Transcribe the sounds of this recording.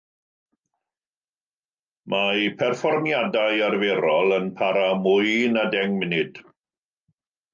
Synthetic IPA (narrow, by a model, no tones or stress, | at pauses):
mʔajpʰɛrfɔrmjadajarveɾɔlˠənpʰaɾamʊjnadɛŋmɪnɪd̥